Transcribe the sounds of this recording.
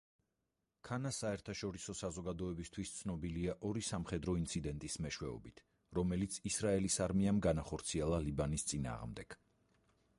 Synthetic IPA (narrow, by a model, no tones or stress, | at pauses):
kʰanasaɛɾt̪ʰaʃɔɾisɔsazɔɡad̪ɔɛbist̪ʰwist̪sʰnɔbiliaʔɔɾisamχɛd̪ɾɔint̪sʰid̪ɛnt̪ʼismɛʃwɛɔ̰bit̪ʰ | ɾɔmɛlit̪sʰisɾaɛlisaɾmiamɡanaχɔɾt̪sʰiɛlˠalibanist̪sʼina̰ːʁmd̪ɛɡ̥